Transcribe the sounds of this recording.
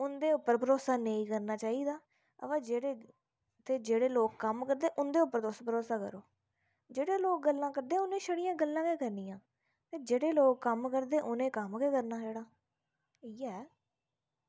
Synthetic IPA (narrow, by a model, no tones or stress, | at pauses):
ʊnd̪eːʊpːəɾpəɾoːsaːnəĩːkəɾnaːt͡ʃaːiːd̪aː | ə̰ʋaːd͡ʒeːɽeː | t̪eːd͡ʒeːɽeːloːkːəmkəɾd̪eːʔʊnd̪eːʊpːəɾt̪ʊspəɾoːsaːkə̰ɾoː | d͡ʒeːɽeːloːk̚ɡəlːãːkəɾd̪ẽːʊnẽːʃəɽijãːɡəlːãːkeːkəɾniːãː | t̪eːd͡ʒeːɽeːloːkːəmkəɾd̪eːʔʊnẽːkəmkeːkəɾnaːd͡ʒeːɽaː | iːɛː